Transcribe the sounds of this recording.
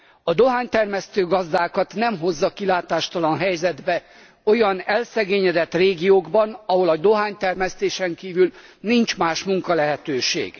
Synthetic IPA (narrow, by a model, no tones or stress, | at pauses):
ɒd̪o̞ɦaːɲt̪ɛrmɛst̪øːɡɒzd̪aːkɒt̪nɛmɦo̞zːɒkilaːt̪aːʃt̪ɒlɒnɦɛjzɛd̪bɛ | o̞jɒnɛlsɛɡeːɲɛd̪ɛt̪reːɡijoːɡbɒnɒɦo̞lɒd̪o̞ɦaːɲt̪ɛrmɛst̪eːʃɛŋkiːvylnint͡ʃmaːʃmuŋkɒlɛɦɛt̪øːʃḛːɡ̥